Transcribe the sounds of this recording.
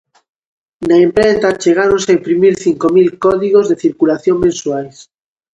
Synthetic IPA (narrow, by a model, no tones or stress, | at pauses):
naempɾent̪at͡ʃeɣ̞aɾonsaempɾimiɾθiŋkomilkɔðiɣozðeθiɾkulaθjoŋmẽnsuajs